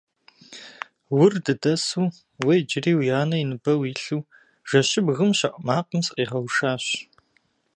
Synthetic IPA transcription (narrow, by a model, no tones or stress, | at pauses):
wʊrdɨdɐsuː | wejd͡ʒɪriːwjaːnɐinɨbɐwiːɬuː | ʒ̥ɐɕɪbɣɨmɕɐʔʼmaːqəmsqʼiːʁɐwʃaːɕ